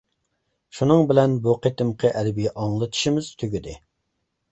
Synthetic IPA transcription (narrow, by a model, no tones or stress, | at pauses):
ʃunɨŋbɪlɛnbuqʰet̪ɪmqʰəʔɛlbiʔɑŋlˠɨt̪ʰɨ̥ʃimɪz̥t̪ʰøɡʲyd̪ɪ̰